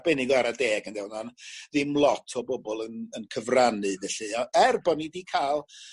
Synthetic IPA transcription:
b̥ɛnɪɡɔɛɾadeːɡənɡɛwnanðimlˠɔtʰɔbɔbɔlˠənənkʰəvranɨvɛɬɨɔɛrbɔnidikʰalˠ

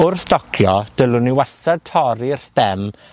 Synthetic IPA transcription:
ʊrθd̥ɔkʰjɔd̥əlˠʊniwasad̚tʰɔɾirstɛm

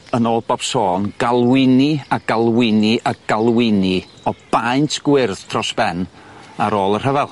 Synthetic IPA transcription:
ənoːlˠbɔb̥soːnɡ̥alˠwɪniaɡalˠwɪniʔaɡ̥alˠwɪni | ɔb̥ajntʰɡ̥wɪrðtʰrɔsb̥ɛn | aɾoːlˠər̥əvɛlˠ

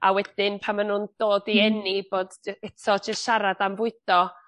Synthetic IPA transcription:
a̰wɛd̥ɪnpʰamanuːnd̥oːdiɛnib̥oːd̥ɛtʰɔd͡ʒəstʃaɾadamvʊɨd̥ɔ

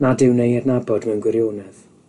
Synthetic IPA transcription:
nadɪwnejɛdnabɔdmɛwnɡwɪɾjoːnɛð̥

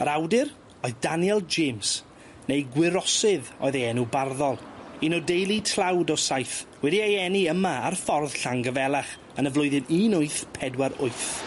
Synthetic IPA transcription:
əɾawdɪr | ɔɨðdanjɛlˠd͡ʒems | nejɡwɪɾɔsɪðɔ̰ɨðejɛnubarðɔlˠinɔdejlˠitʰl̥ˠawdɔsajθwɛdiajɛniəmaarfɔrð̥ɬaŋɡəvɛlˠaχ | ənəvlˠʊɨðɨniːnʊɨθpʰɛdwaɾʊɨθ

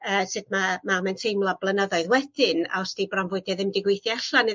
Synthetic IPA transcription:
əːsɨd̥̚mamamɛntʰejmlˠɔblˠənəðɔɨðwɛd̥ɪna̰ɔsd̥ibrɔnvʊɨdjɛðɪmdɪɡwejθjaaɬanɨ

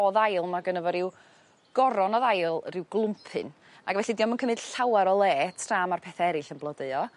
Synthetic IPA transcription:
ɔðajlˠmaɡənəvɔɾɪw | ɡ̥ɔɾɔnɔðajlˠrɪwɡlˠʊmpʰɨ̰n | aɡvɛɬidiːɔmənkʰəmɨd̥ɬawaɾɔlˠɛːtʰraːmarpʰɛθaɛɾɨɬənblˠɔdəɨɔ

